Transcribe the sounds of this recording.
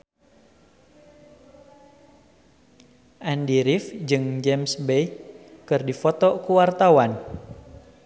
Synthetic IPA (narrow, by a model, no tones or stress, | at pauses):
ʔandiɾifd͡ʒɨŋd͡ʒɛmsbɛjkɨrdifɔt̪ɔkuwart̪awan